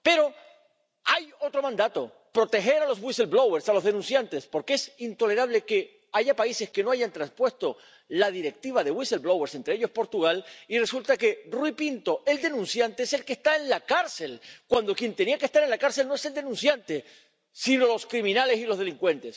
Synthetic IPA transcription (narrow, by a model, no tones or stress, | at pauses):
pe̞ɾo̞ | ajo̞t̪ɾo̞mãnd̪at̪o̞̰ | pɾo̞t̪e̞xe̞ɾalo̞zβwiselblo̞weɾsalo̞zðe̞nũnsjant̪e̞spoɾkee̞sint̪o̞le̞ɾaβle̞ke̞ | aʝapaise̞ske̞no̞aʝant̪ɾãnspwe̞st̪o̞ | laðiɾe̞k̚t̪iβ̞aðe̞wiselbloweɾse̞nt̪ɾeeʎo̞spo̞ɾt̪uɣ̞alire̞sult̪ake̞rwipint̪o̞ʔe̞ld̪e̞nũnsjant̪eese̞lkest̪aenlakaɾse̞lkwand̪o̞kje̞nt̪e̞niakest̪aɾe̞nlakaɾse̞lnoe̞se̞ld̪e̞nũnsjant̪e̞ | sino̞lo̞skɾimĩnale̞silo̞zð̞e̞liŋkwẽ̞nt̪e̞s